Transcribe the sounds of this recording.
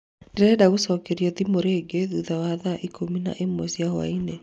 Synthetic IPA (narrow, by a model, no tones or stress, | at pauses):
ndeɾɛdaɣosɔkeɾjɔðimoɾeːɡeðuðawaðaʔikʰomina̰ʔemwɛsijahwa̰ine